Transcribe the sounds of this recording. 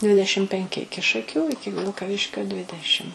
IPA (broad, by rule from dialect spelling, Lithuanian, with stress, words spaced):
ˈdʲʋʲɪdʲɛʃʲɪm pʲɛŋʲˈkʲɪ ˈɪkʲɪ ʃɐˈkʲuː ˈɪkʲɪ ʋʲɪlˠkɐˈʋʲɪʃʲkʲoː ˈdʲʋʲɪdʲɛʃʲɪm